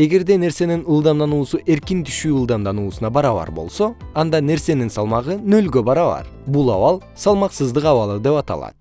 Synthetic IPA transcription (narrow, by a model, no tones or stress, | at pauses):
e̞ɡe̞ɾd̪e̞ne̞ɾse̞ninɯlˠd̪ɑmd̪ɑnuːsuʔe̞ɾkint̪ʰy̥ʃyːɯlˠd̪ɑmd̪ɑnuːsunɑbɑɾɑβɑ̰ɾbo̞̰lˠsoɑnd̪ɑne̞ɾse̞ninsɑlˠmɑʁɯnø̞lɡø̞bɑɾɑβɑ̰ɾbulˠɑwɑlˠ | sɑlˠmɑqsɯzd̪ɯqɑwɑlˠəd̪e̞pɑt̪ɑ̰lˠɑ̰t̪̚